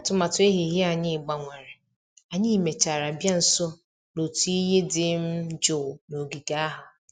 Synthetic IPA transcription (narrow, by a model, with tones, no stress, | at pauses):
a˦tʊ˨ma˨tʊ˨e˦ɦi˨ɦe˦a˨ɲɪ˦˨ɡ͡ba˨ŋʷa˨ɾɪ˨ | a˨ɲɪ˦˨me˨t͡ʃa˨ɾa˨bja˦n̩˨sɔ˦ | no˨tu˦i˦ɦe˦dɪ˨m̩˦d͡ʒʊ˨no˨ɡi˨ɡa˦a˦ɦʊ˨